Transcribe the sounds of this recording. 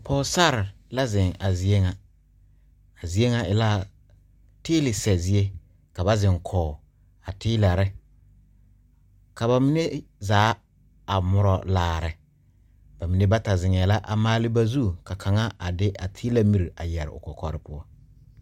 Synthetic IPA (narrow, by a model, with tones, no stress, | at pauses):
pʰɔ˨˦sa˦ɾɪ˨ | la˦zɪ˨ŋa˨zi˦e˦ŋa˨ | a˨zi˦e˦ŋa˨ɪ˨la˦ | tɪː˦lɪ˨sɛ˨zi˦e˦ | ka˨ba˦zɪ˨ŋkʰɔː˨ | a˨tʰɪː˦la˨ɾɪ˦ | ka˨ba˨mi˦ne˦zaː˨˦ | a˨mʊ˨ɾɔ˨laː˨ɾɪ˨ | ba˨mi˨ne˦ba˦ta˨zɪ˨ŋɛ˨la˦ʔa˨maː˦lɪ˦ba˦zu˦˨ka˨kʰa˨ŋa˦a˨dɪ˦ʔa˨tʰɪː˦la˦mi˨ɾi˨ʔa˨jɛ˨ɾɪ̰˨ʊ̰˨kɔ˨kɔ˨ɾɪ˦pʊ˦ɔ˦